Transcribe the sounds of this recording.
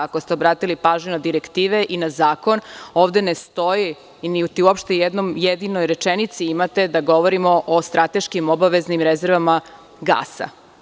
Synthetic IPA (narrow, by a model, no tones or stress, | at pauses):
ako̞st̪eobɾaːt̪ilipaːʒɲuad̪iɾekt̪iːʋeʔinazaːko̞noːʋd̪e̞nest̪o̞ji | niut̪iuopʃt̪ejed̪nomjed̪inojɾe̞t͡ʃenit̪siimat̪e̞d̪aɡo̞ʋoɾimoʔost̪ɾat̪e̞ʃkimobaʋe̞znimɾezeɾʋama | ɡa̰ːsa̰